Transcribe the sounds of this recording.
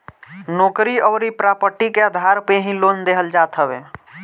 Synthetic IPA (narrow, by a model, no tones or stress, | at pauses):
noːkɾiɔːɾipɾaːpəʈikeəd̪ʱaːɾpeɦĩloːnd̪eɦəld͡ʒaːt̪ɦəʋeː